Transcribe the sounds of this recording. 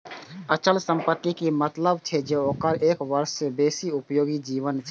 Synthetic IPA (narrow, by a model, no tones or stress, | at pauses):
ət͡ʃəlsə̃mpət̪ːikimət̪ləb̚t͡ʃʰɛd͡ʒeːoːkəɾeːkʋəɾsebeːsiʊpjoːɡid͡ʒiːʋənt͡ʃʰe